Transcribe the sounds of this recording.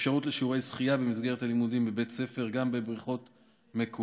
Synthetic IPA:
fʃaʁutleʃiuʁe̞jsχijabemisɡe̞ʁet̪alimudimbe̞be̞tt͡se̞fe̞ʁɡambe̞bʁiχo̞t | mek

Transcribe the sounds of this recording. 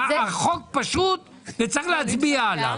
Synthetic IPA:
aχok̚paʃut̪̚ | vet͡saʁiχlehat͡sbiaːla̰

